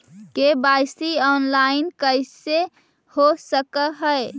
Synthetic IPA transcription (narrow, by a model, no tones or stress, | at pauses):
kebaɪsiɔːnlaɪnkəjse | hosəkəɦəe